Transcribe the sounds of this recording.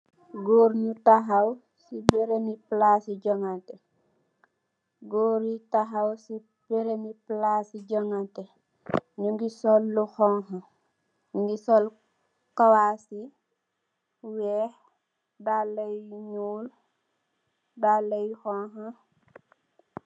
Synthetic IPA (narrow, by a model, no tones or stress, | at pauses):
ɡoːɾɲutaɦaw | sibeɾemiplasiɟɔŋantɛ | ɡoːɾitaɦawsi | b̥eɾemiplasiɟɔŋantɛ | ɲuŋɡisɔlːuxɔŋha | ŋɡisɔl | kawasi | wɛːh | dalːɐjɲuːl | dalːɐjxɔŋɦa